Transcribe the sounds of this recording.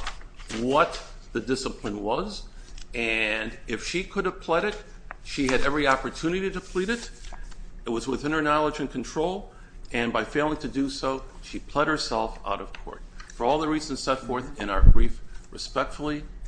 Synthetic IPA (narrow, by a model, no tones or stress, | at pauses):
wʌt̪̚ | ðɨdɪsəpʰlə̃nwʌzɨ̃nɪfʃikʰʊɾɨv̥pʰl̥ɛɾɨt̚ | ʃiɨɾɛvɹiɑpə˞tʰʉnɨɾiɾɨpʰl̥iɾɨɾ | ɨt̚wʌzwɨθɪ̃nə˞nɑlˠəd͡ʒɨ̃nkʰn̩tʰɹ̥oʊlˠ | ɨ̃nbaɪfeɪlˠɪ̃ŋtʰɨdɨsoʊʃipʰl̥ɛd̚hə˞sɛlˠfa̰ʊɾʌv̥kʰɔ̰ɹt̚fə˞ɔlˠðəɹizɨ̃n̩z̥sɛtfɔɹθɨ̃ñaʊə˞bɹifɹɨspɛk̚tfl̩ˠi